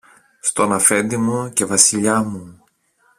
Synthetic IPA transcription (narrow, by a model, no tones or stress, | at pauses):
st̪o̞nɐfe̞nd̪imuce̞vɐsiʎɐmu